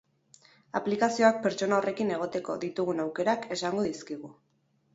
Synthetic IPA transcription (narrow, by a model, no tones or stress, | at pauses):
a̰plikasio̞ak̚pe̞ɾt͡ʃo̞naore̞kine̞ɣo̞t̪e̞ko̞̰ðit̪uɣ̞unawke̞ɾake̞saŋɡo̞ðiskiɣu